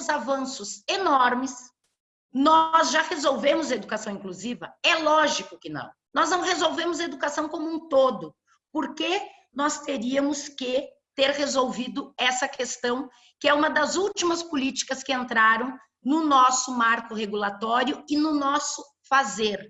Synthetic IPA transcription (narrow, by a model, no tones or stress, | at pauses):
ʊzavɐ̃sʊsenɔɾmɪs | nɔzʒahezowvẽmʊzɐed̪ukasɐ̃w̃ĩkluzivɐɛlɔʒikʊkɪnɐ̰̃w̃nɔznɐ̃w̃ɦezowvẽmʊzɐed̪ukasɐ̃w̃kõmũt̪od̪ʊ | poɾke | nɔst̪eɾiɐmʊskɪ | t̪eɾhezowvid̪ʊɛsɐkʰest̪ɐ̃w̃ | kɪɛũmɐd̪ɐzuwt͡ʃimɐspolit͡ʃi̥kɐskɪẽnt̪ɾaɾɐ̃w̃ | nʊnɔsʊmaɾkʊheɡulat̪ɔɾjʊɪnʊnɔsʊ | fazeɾ